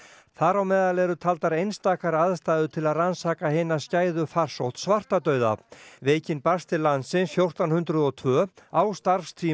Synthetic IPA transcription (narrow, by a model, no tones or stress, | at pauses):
θaɾawmɛːðalɛɾʏt̪ʰalt̪aɾejnst̪aːkaɾaðst̪aːjðʏt̪ʰɪlaðransaːkaɦɪnascaːjðʏfar̥sowht̪svar̥t̪at̪œːɥða̰veːjcɪnpast̪ɪlːansɪnsfjowr̥t̪awnhʏnt̪ɾʏðɔt̪ʰvœːawst̪aɾfst̪ʰiː